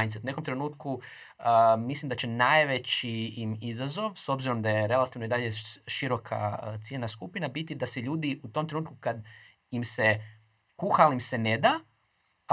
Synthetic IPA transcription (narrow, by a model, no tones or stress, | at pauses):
jnt̪set̪une̞komt̪ɾe̞nuːt̪ku | əmislˠimd̪at͡ɕe̞najʋe̞t͡ɕiːmizazo̞ʋso̞bziɾo̞md̪ajeɾe̞lat̪iʋnoid̪aʎe̞ʃiɾo̞kʰa̰t̪siʎenaskupinabit̪id̪aseʎuːd̪iut̪o̞mt̪ɾenuːt̪kukad̪ | imse̞ | kuxalimse̞ne̞d̪a